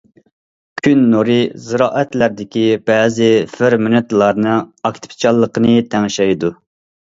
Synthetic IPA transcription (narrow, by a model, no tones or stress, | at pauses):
kʲʰynːuɾɨzɨɾɑːʔɛt̪læɾd̪ɪkʲib̥ɛːzɪfɪɾmynɨt̪lˠɑɾnɨɑkʲt̪ʰɪ̥pʰt͡ʃʰɑlˠːəqənɨt̪ʰɛŋʃɛjd̪u